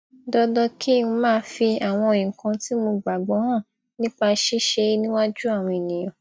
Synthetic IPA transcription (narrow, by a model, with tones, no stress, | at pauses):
dɔ˦dɔ˧kʰi˦˨ũ˧mãː˦˧˦fi˧a˨w̃ɔ̃˧o˧˨jĩ˨kã˧ti˦mõ˧ɡ͡ba˨ɡ͡bɔ˨˦hã˦˨ | nĩ˦k͡pa˧ʃi˦ʃe˧˦nĩ˦wa˦d͡ʒu˦a˦˨w̃ɔ̃˧e˨nĩ˨j̃ɔ̃˨